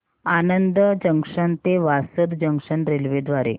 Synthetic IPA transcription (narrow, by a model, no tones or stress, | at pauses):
anənd̪əd͡ʑəŋkʂənt̪eʋasəd̪d͡ʑəŋkʂənɾelʋed̪ʋaɾḛ